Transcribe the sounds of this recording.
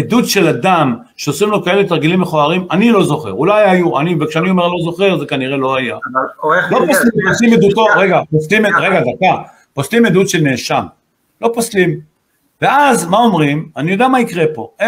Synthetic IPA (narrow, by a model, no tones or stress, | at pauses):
ed̪ut̪ʃe̞lad̪am | ʃeosʁimlo̞kae̞let̪aʁɡilimeχoaʁimanilo̞zo̞χe̞̰ʁulajajua̰nivekʃeaniome̞ʁlo̞zo̞χe̞ʁzekaniʁe̞lo̞aja | loposlimposimed̪ut̪o̞ʁeɡaposlimeʁeɡad̪aka | poslimed̪ut̪ʃelneʃam | lo̞poslim | veazmao̞mʁimanijo̞d̪eamaikʁe̞po̞̰e